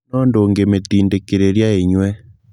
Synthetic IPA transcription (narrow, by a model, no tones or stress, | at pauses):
ɔndoŋɡemet̪indekeɾeɾjaeɲwɛ